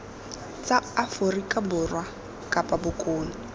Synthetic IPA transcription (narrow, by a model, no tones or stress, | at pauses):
t͡sʼaafʊrikʼabʊrwa | kʼapʼabʊkʼoːnɪ